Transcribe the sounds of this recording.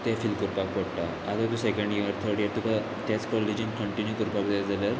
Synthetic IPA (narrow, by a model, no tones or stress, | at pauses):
t̪afilkuɾpakʋəɽʈa | aɡ̪at̪ũsekəɳɖjiɾt̪ʰəɾɽjəɾt̪uka | t̪at͡skɔlid͡ʑənkəɳʈinjukuɾpakd͡zad͡zaljaɾ